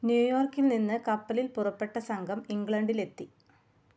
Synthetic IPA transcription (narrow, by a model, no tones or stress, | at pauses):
njuːjo̞ːrkːilninːɨkɐpːɐlilpurɐpːe̞ʈːɐsɐŋɡʱɐmiŋɡɭɐɳɖile̞t̪ːi